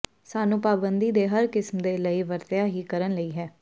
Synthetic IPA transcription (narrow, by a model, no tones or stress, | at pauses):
saːnũːpaːbənd̪iːd̪eːɦəɾkɪsmd̪eːləiːʋəɾt̪ɪjaːɦiːkəɾənləiːɦɛː